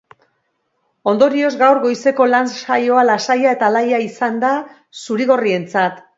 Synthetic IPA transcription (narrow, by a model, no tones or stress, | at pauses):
o̞nd̪o̞ɾio̞zɡawɾɣo̞jse̞ko̞lansajo̞alasajae̞t̪alajaisand̪a | suɾiɣ̞o̞rie̞nt͡sat̪